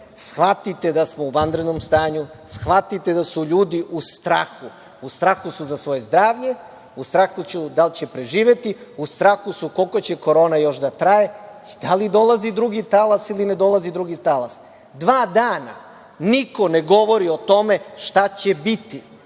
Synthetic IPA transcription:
sxʋat̪it̪ed̪asmouʋand̪ɾed̪no̞mst̪aːɲu | sxʋat̪it̪ed̪asuʎuːd̪iʔust̪ɾa̰ːxu | ust̪ɾaːxusuzasʋo̞je̞zd̪ɾaːʋʎe̞ | ust̪ɾaːxut͡ɕud̪alt͡ɕe̞pɾe̞ʒiːʋe̞t̪iust̪ɾaːxusukolkot͡ɕeko̞ɾo̞ːnajo̞ʃd̪at̪ɾajeid̪̥alid̪o̞lazid̪ɾuɡit̪alasilined̪o̞lˠazid̪ɾuɡit̪alas | d̪ʋaːd̪aːna̰ | niko̞neɡo̞ʋo̞ɾio̞t̪o̞me̞ʃt̪at͡ɕe̞bit̪i

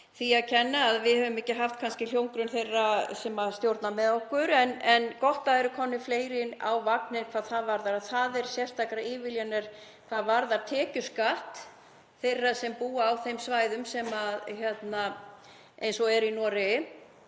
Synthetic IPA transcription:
θiaðcʰɛnːaːðvɪðhœvʏmɛcːɪɦaft̪̚kʰanscɪl̥jowŋkɾʏnθejrːasɛmaðst̪jowɾt̪namɛðohkʏɾɛnɛnkɔht̪aɛɾʏkʰɔnːɪfleːjɾɪna̰wvak̚nɪnkʰvaːðθaðvaɾðaɾaðθaðɛɾ̥sjɛr̥t̪ʰakɾaɪːvɪljanɛɾ̥ | kʰv̥aːðvaɾðaɾ̥t̪ʰɛːcʏ̥skaht̪ | θejrːasɛmpuːaːwθejmsvaːjðʏmsɛmaðçjɛt̪na | ʔḛjnsɔɛɾinɔːɾɪ

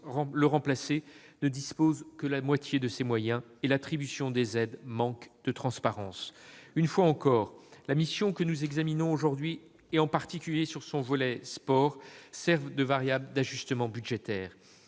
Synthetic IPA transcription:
ʁɑ̃ləʁɑ̃plasenəd̪ispozkəlamwat̪ʰjed̪əsemwajɛ̃elat̪χibysjɔ̃d̪ezɛd̪mɑ̃kd̪̥ət̪χɑ̃spaʁɑ̃synfwaɑ̃kɔːʁlamisjɔ̃kənuzɛɡzaminɔ̃oʒuʁd̪ɥi | eɑ̃paʁt̪ikʲyljesyʁsɔ̃vɔlɛspɔʁsɛʁvd̪əvaʁjabləd̪aʒyst̪əmɑ̃byʒet̪ɛːʁ

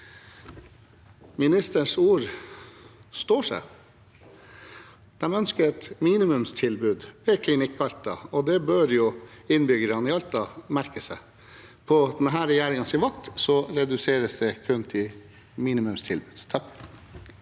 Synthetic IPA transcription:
mɪnɪst̪əɳʂuːɾ | st̪oːʂæ̰ | d̪̥ɛmœnskəɾɛt̪miːnɪmʉmst̪ʰɪlbʉːd̪ɛkʰlɪnɪkːɑlt̪ɑ̰ɔd̪ɛbøːɾjʊɪnbʏɡəɾɑnɪɑlt̪ɑmæɾkəsɛ̰ | pʰɔd̪ɛnɦæːɾɛjæːɾɪŋənsɪʋɑkt̪sɔɾɛd̪ʉseːɾəsd̪ɛkʰʉnt̪ʰɪ | miːnɪmʉmst̪ʰɪlbʉːd̪̥t̪ʰɑk

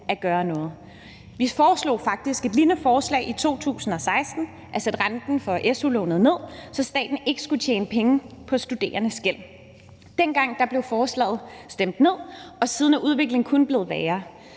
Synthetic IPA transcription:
æɡ̥ɶːɐnɔ̽ːð̩ˠ | ʋifɒːslo̰ːfɑ̈ɡ̥̚d̥isɡ̥e̝d̥linəfɒːslɛ̰ɪʔit͡sʰo̝̰ːt͡sʰṵːsn̩ɒ̽sɑ̈ɪsd̥n̩ | ʔæsed̥ʁand̥n̩fɒ̽ʔesulɔ̰nð̞̩ˠne̝ð̞̰ˠsɒ̽sd̥ɛ̰ːd̥n̩e̝ɡ̥əsɡ̥ut͡sʰjeːnəpʰeŋəpʰɒ̽sd̥ud̥e̝̰ːɐnəsɡ̥el̰ | d̥enɡ̥ɑ̈ŋ̰d̥ɑ̈b̥le̝ʊfɒːslɛ̰ːð̩ˠsd̥em̰d̥ne̝ð̰ˠɒ̽siːðˠnæʔuð̞ˠʋe̝ɡ̥le̝ŋkʰɔnb̥le̝ːð̩ˠʋɛːɐ

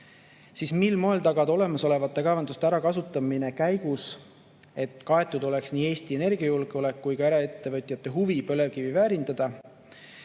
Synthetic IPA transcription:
sismilmo̞elt̪ɑɡ̥ɑd̪̥o̞le̞mɑso̞le̞vɑt̪ːˑe̞kɑvɑnd̪ust̪eæɾɑkɑsut̪ːˑɑmine̞kæjɡ̥us | e̞t̪ːˑkɑe̞t̪ːˑud̪o̞le̞ksniːe̞ːst̪ie̞ne̞rɡ̥iɑjulɡ̥eo̞le̞kːujkɑeɾɑe̞t̪ːe̞vɤt̪ʲːˑjɑt̪ːˑe̞ɦuvipø̞le̞vkivivæːɾind̪ɑd̪̥ɑ

